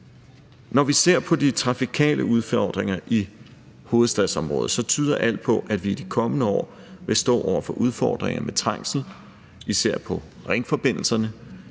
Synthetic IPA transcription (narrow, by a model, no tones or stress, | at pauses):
nɒʋise̝ɐ̰pʰɒ̽dit͡sʰʁɑ̈fikʰɛ̰ːlʔəuð̞ˠfɒd̥ʁeŋɐʔi | ho̝ːð̞̩ˠsd̥ɛðˠsɒ̽mʁɔ̽ːð̩ˠsɒ̽t͡sʰyːð̞ˠɐʔæl̰d̥̚pʰɒ̽ʔæd̥ʋiːd̥ikʰɒ̽mənəɒ̰ː | ʋe̝sd̥ɔ̰̽ːʔɒʊ̰ɐfɒ̽ʔuð̞ˠfɒːd̥ʁeŋɐmet͡sʰʁɑ̈ŋ̰sn̩ | iseæɐ̰pʰɒ̽ | ʁeŋfɒ̽b̥e̝n̰l̩sɐnə